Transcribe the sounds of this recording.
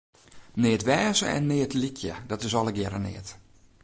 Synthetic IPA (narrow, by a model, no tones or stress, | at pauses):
nɪːtʋɛːzəɛ̰nːɪːtlikʰjə̰dɔtɪsɔlˠəɡjɛɾənɪ̰ət